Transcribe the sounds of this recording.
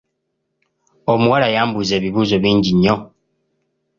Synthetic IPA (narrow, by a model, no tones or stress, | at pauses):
omuwalajaːmbuze̞ːβiβuːzo̞βiːɲɟiɲːo̞